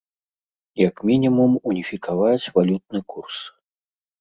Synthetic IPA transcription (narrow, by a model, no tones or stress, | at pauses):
jakmʲinʲimumunʲifʲikʰavat͡sʲvalʲut̪̚nɨkurs